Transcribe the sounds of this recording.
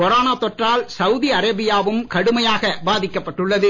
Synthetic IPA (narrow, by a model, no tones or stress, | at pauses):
kɔɾaːnaːt̪ːɔʈraːlsɐwʊðiɐɾɐbɪjaːʋɯmkɐɽɯmɐjaːɣɐbaːðɪkːɐpːɐʈːɯɭːɐðɯ